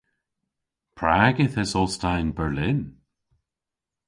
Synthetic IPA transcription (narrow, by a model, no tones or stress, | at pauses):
pʰɹaːɡɪθɛsɔstaɪnbɛɹlɪn